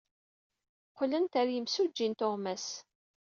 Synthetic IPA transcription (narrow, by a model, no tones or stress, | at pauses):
qʷlənt̪æɾjəmsud͡ʒːint̪oʁmæs